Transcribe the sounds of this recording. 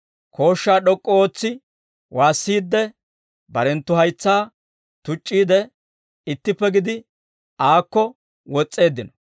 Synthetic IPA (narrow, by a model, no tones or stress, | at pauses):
kʰo̞ːʃːaːɗɔkʼːɔoːt͡sːɪ | waːsːiːd̪ːɛ | bɐɾɛnt̪ːʊhɐjt͡sːaː | t̪ʊt͡ʃʼːiːd̪ɛ | ɪt̪ːɪpːɛɡɪd̪ɪ | aːkːɔ | wɔt͡sʼːe̞ːd̪ːɪnɔ